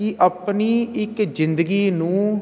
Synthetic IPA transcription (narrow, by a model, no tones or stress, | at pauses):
ɪʔəpniːɪkd͡ʒɪ̃nd̪əɡiːnũː